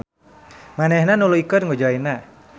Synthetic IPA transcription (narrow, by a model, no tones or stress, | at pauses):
manɛhnanuluikənŋud͡ʒaina